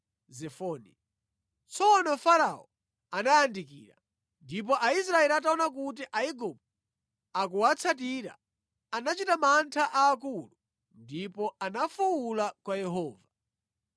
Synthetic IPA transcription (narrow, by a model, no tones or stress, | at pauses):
zɛfɔni | t͡sʰɔnɔfaɾaɔ̰ | anajandikḭːɾa̰ | ndip̬ɔʔais̬ɾaɛliataɔnak̬ut̬iʔaiɡup̚ | akuwat͡sʰat̬iɾa̰ | anat͡ʃitamantʰaʔaːkulu | ndipɔanafuwulakwajɛɦɔːva